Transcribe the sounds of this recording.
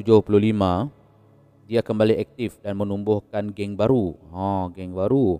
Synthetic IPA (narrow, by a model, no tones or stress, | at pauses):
t̪ud͡ʒʊhpuluɦlimã | diakəmbaliʔɛk̚t̪ifdanmənumbʊhkanɡɛŋbaɾuɦɔ̃ɡɛŋbaɾu